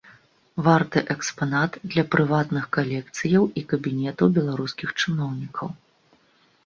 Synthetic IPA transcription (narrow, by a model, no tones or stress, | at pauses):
vart̪ɨʔɛkspanat̪d̪lʲɐpɾʔɨvat̪nɨxkalʲɛk̚t̪sɨjɐwikɐbʲinʲɛt̪ɐwbʲɛlˠaɾuskʲixt͡ʂɨnɔwnʲikʰɐw